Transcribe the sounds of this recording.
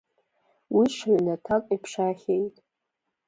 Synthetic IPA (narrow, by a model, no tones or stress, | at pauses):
wiʂaɥnatʰakʷʼipʰʂaχʲejtʼ